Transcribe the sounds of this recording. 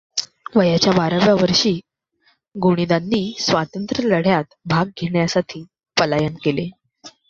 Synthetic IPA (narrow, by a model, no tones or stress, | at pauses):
ʋəjat͡ɕjabaɾə̃ʋjaʋəɾʂiː | ɡuɽ̃id̪anːiːsʋat̪ənt̪ɾələɽ̤jat̪bʱaɡ̚ɡʱeɳjasat̪ʰiː | pəlajənkele